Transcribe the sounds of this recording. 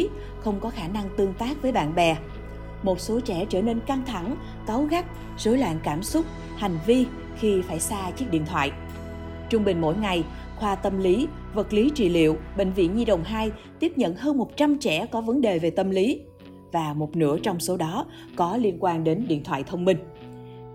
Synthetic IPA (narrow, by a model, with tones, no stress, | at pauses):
xə˧wŋ͡mkɔ˨˦xaː˧˩na˧ŋt̪ɨ˧˩əŋt̪aː˦˥k̚vəː˨˦jɓa̰ː˧˨nɓɛ˨˩ | mo˨˩t̚so˨˦t͡ɕɛ̰˧˩t͡ɕəː˧˩ne˧nka˧ŋt̪ʰa˧˩ŋ | ka˨˦wɣa˦˥k̚ | z̥o˨˦jlwa̰ː˧˨nkaː˧˩msʊ˦˥t̚ | ha˨˩jŋ̟vi˧ | xi˧faː˧˩jsaː˧t͡ɕi˦˥ək̚ɗḭ˧˨ət̪ʰwa̰ː˧˨j | t͡ɕʊ˧ŋ͡mɓï˨˩ŋ̟mo̰˧˥˨jŋa˨˩j | xwaː˧t̪ə˧mli˨˦ | və˨˩t̚li˨˦t͡ɕḭ˧˨lḭ˧˨əwɓḛ̈˧˨ŋ̟vḭ˧˨ənɲi˧ɗə̰˨˩wŋ͡mɦaː˧jt̪i˦˥əp̚ɲə̰˧˨nhəː˧nmo˨˩t̚t͡ɕa˧mt͡ɕɛ˧˩kɔ˨˦və˨˦nɗe˨˩ve˨˩t̪ə˧mli˨˦ | vaː˨˩mo˨˩t̚nɨ̰˧˩ət͡ɕɔ˧wŋ͡mso˨˦ɗɔ˨˦ | kɔ˨˦li˧ənkwaː˧nɗe˨˦nɗḭ˧˨ənt̪ʰwa̰ː˧˨jt̪ʰə˧wŋ͡mmï˧ŋ̟